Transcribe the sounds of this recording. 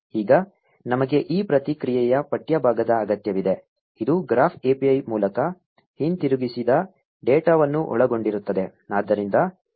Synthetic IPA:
iːɡɐ | nɐmɐɡe̞ʔiːpɾɐt̪ikɾijɛjɐpɐʈjɐbʱaːɡɐd̪ɐːɡɐt̪jɐʋid̪e̞ | id̪uɡɾaːpʰeːpiɐjmuːlɐkɐ | hint̪iɾuɡisid̪ɐ | ɖeːʈaːʋɐnːuʔɔ̰ɭɐɡo̞ɳɖiɾut̪ːɐd̪e̞ | naːd̪ːɐɾind̪ɐ

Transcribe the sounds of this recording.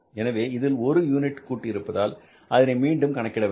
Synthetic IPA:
ɛnɐʋeːɪðɪlɔɾɯjuːnɪʈkuːʈːɪɪɾɯpːɐðaːl | ʔɐðɪnɐɪmiːɳɖɯmkɐɳɐkːɪɽɐʋ

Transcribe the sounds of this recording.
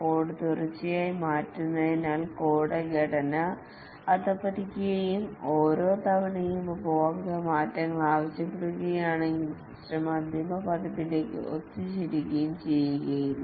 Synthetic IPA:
poːɽɨt̪urɐt͡ɕːijaːjimaːtːunːɐðinaːlkoːɽɐɡɐɽɐnɐ | ɐt̪ɐpːɐɾikʲːijɐjumoːɾo̞ːt̪ɐʋɐnɐjumbʱoːɐmaːtːɐŋːɐɭaːʋɐɕjɐpːeɽuɣɐjaːɳeŋɡil | srɐmɐd̪imɐpɐðɐpːile̞ːkːɨ̰ʔo̰t̪ːɨt͡ɕiɾikːɐjumt͡ɕe̞jːuɣɐjil

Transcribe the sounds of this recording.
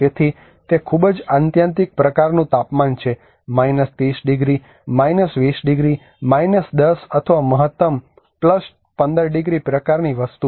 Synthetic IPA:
d͡ʒet̪ʰi | t̪ekʰubd͡ʒant̪jãnt̪̬ik̚pɾəkaɾnũt̪apmant͡ʃʰe | mainəst̪ɾisɖiɡɾi | mainəsʋisɖɪɡɾi | majnəsd̪əsət̪ʰəʋaməɦət̪ːəm | pləs | pə̃nd̪əɾɖiɡɾipɾəkaɾniʋəst̪u

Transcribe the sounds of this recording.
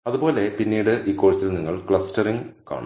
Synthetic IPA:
ɐðubo̞ːle̞pinːiːɽɨʔiːkːoːɻt͡ɕːilniŋːɐɭkɭɐstɐriŋka̰ːɳṵ

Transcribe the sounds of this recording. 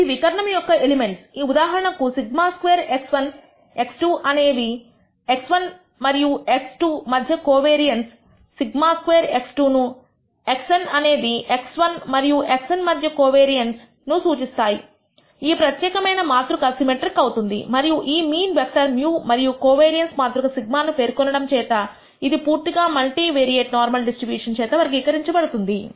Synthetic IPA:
iʋikɐɾɐɳɐmjɔkːɐelime̞ɳʈsiːud̪aːɦɐɾɐɳɐkusiɡmaːskʋeːɾeksʋɐn | e̞ksʈuːʔɐne̞ːd̪i | e̞ksʋɐn | mɐɾijueksʈumɐd̪ʱjɐkoːʋeːɾijɐnsː | iɡmaːskʋeːɾe̞ksʈuːnu | e̞ksɐnɐne̞ːd̪ieksʋɐnmɐɾijuʔeksɐnmɐd̪ʱjɐkoːʋeːɾijɐns | nusuːt͡ʃist̪aːjḭ | iːpɾɐt̪jɛːkɐmɐjnɐmaːt̪ɾukɐsimeʈɾikɐwut̪und̪ḭmɐɾijuʔiːmiːnʋepʈɐɾmjuːmɐɾijukoːʋeːɾijɐnsmaːt̪ɾukɐsiɡ̚maːnupe̞ːɾkɔnːɐɽɐmt͡ʃɛːt̪ɐ | id̪ipuːɾt̪iɡaːmɐlʈiʋeːɾieːʈnaːɾmɐlɖisʈɾibjuːʂɐnt͡ʃɛːt̪ɐʋɐɾɡiːkɐɾiɲt͡ʃɐbɐɽut̪und̪i

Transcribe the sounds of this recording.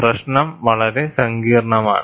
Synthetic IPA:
prɐɕnɐmʋɐɭɐɾesɐŋɡiːrɐɳɐma̰ːɳɨ

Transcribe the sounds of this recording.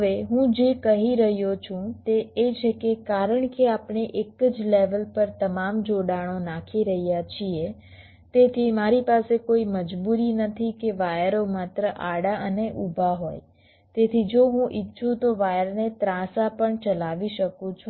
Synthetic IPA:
əʋeɦũd͡ʒekəɦiɾəɦjot͡ʃʰũt̪eːt͡ʃʰekekaɾəɳkeapɳeʔekəd͡ʒleʋəlpəɾt̪əmamd͡ʒoɽaɽ̃onakʰiɾəɦijat͡ʃʰie | t̪et̪ʰimaɾipasekoiməd͡ʒbuɾinət̪ʰikeʋajɾomat̪ɾəʔaɽaʔəneʔubʱaɦoj | t̪et̪ʰid͡ʒoɦũʔitːʃʰũt̪oʋajəɾnet̪ɾãsapəɳt͡ʃəlaʋiʃəkũt͡ʃʰũ

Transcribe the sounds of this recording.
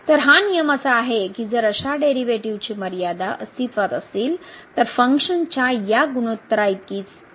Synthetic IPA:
t̪əɾɦanijəməsaːɦekiːd͡zəɾəɕaɖeɾiʋeʈiʋt͡ɕiːməɾjad̪aʔəst̪ʰit̪ʋat̪əsiːlt̪əɾfəŋkʂənt͡ɕajaɡuɽ̃ot̪ːɾait̪̚kiːt͡s

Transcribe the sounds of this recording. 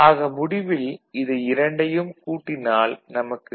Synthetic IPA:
aːɣɐmʊɽɪʋɪlɪðɐɪɾɐɳɖɐjɯmkuːʈːɪnaːlnɐmɐkːɯ

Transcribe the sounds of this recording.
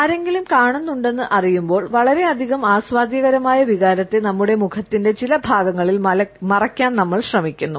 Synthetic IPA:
ɐɾe̞ŋɡilumkaːɳunːuɳɖe̞nːɨʔɐrijumbo̞ːɭʋɐɭɐɾe̞ɐd̪ʱiɣɐmaːsʋaːd̪ʱjɐɣɐɾɐmaːjɐʋiɣaːɾɐt̪ːenɐmːuɽe̞mukʰɐt̪ːinde̞t͡ɕilɐbʱaːɡɐŋːɐɭilɐɐmɐrɐkʲːaːnnɐmːɐɭɕrɐmikʲːunːu

